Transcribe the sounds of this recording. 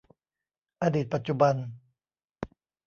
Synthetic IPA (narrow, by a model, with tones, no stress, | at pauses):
ʔaː˧diː˨˩t̪̚pa˨˩t̪̚t͡ɕu˨˩ba˧n